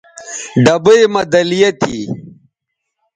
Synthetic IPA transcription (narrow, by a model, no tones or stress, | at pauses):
ɖɐbɐjmɐd̪ɐlijɐt̪ʰḭ